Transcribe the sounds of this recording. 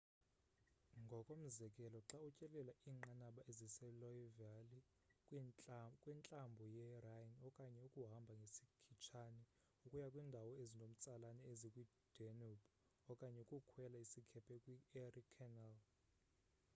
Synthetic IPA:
ŋɡʱɔkʼom̩zɛkʼɛlɔǁaut͡ʃʼɛlɛlaiːŋ͡ǃanaɓaʔezisɛlɔjivali | kʼwɛnt͡ɬʼambʱɔjɛrajnɔkʼaɲɛukʼuɦambʱaŋɡʱesikʰit͡ʃʰanɛ | ukʼujakʼwiːndʱawɔezinom̩t͡sʼalanɛezikʼwi | d̥ʱɛnub | ɔkʼaɲɛukʼukʰwɛlaisikʰɛpʰɛkʼwierikʰɛnal

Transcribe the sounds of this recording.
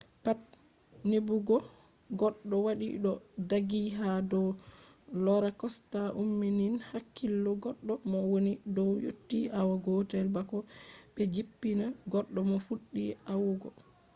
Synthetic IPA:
pat̚ | nebuɡɔ | ɡɔɗːɔwaɗḭɗɔdaɡiɦadɔw | lɔɾakɔstaʔumːininhakːilːɔɡɔɗːɔmɔwonidɔwjotːiʔawaɡɔtɛlbakɔɓɛd͡ʒipːinaɡɔɗːɔmɔfuɗːiawuɡɔ

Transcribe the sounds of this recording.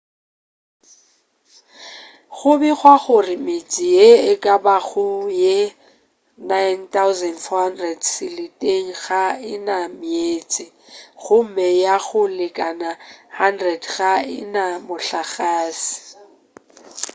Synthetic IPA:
ɣʊbɛɣwaɣʊrɪmɪt͡sʼɪjeɪkʼabaχʊje | najntʰaʊzɛndfɔhandrɛdsɪlɪtʼeŋ̩ɣaɪnamɪeːt͡sʼɪ | ɣʊm̩mɛjaɣʊlɪkʼanahandrɛdɣaɪ̰namʊɬaɣaːsɪ̥

